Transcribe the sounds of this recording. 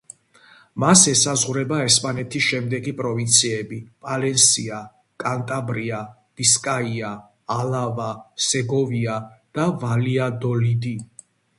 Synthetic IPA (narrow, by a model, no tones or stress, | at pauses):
masɛsazʁuɾɛbaɛspʼanɛt̪ʰisʃɛmd̪ɛɡipʼɾɔvint̪sʰiɛbipʼalɛnsia | kʼant̪ʼabɾia | b̥iskʼaiaː | lavasɛɡɔviad̪̥avaliad̪ɔlid̪i